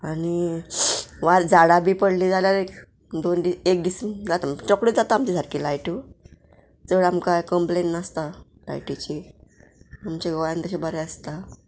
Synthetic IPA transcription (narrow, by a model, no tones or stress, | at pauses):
añi | ʋaɾd͡zaɽabiːpəɽlid͡zaljaɾek | d̪ond̪iekd̪ismd͡zat̪amt͡ɕɔkɽid͡zat̪aːmt͡ɕisaɾkilajʈu | t͡səɽamkajkəmplennast̪a | la̰jʈit͡ɕi | amt͡ɕeɡɔjant̪əɕebəɾɛəst̪a